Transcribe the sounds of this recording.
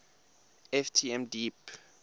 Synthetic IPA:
ɛftʰiɛ̃mdip

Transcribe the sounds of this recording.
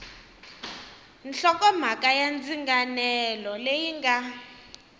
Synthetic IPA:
nɬɔkɔm̤akʼajand͡ziŋɡanɛlɔlejiŋɡa

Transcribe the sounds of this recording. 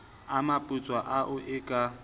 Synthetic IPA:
amapʼʊt͡sʼwaʔaʔʊʔɪkʼa

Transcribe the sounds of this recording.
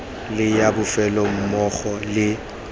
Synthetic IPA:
lɪjabʊfɛlɔm̩mɔχɔlɪ

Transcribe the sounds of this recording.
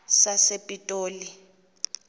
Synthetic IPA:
sasepʼitʼoːli

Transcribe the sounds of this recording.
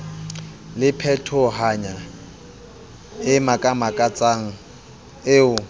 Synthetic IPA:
lɪpʰɛtʰɔɦaɲa | ɪmakʼamakʼat͡sʼaŋ̩ | ɪʊ

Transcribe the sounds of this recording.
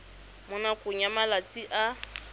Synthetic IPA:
mʊnakʼʊɲamalat͡sʼiʔa

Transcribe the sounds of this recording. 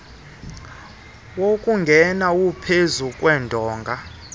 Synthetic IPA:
wokʼuŋɡʱɛnaupʰezukʼwɛːndʱɔːŋɡʱa

